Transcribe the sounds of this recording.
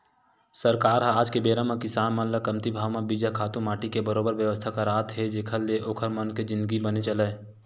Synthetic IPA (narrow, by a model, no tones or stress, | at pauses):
səɾkaːɾɦãaːd͡ʒkebeːɾãmãkɪsaːnmənləkəmt̪ibʱaːʋmãbid͡ʒakʰaːt̪ũmaːʈikebəɾoːbəɾʋjəʋəst̪ʰakaɾaːt̪ɦɛd͡ʒeːkʰəlːeʔoːkʰəɾmənked͡ʒɪ̃nd̪əɡibənet͡ʃəlẽː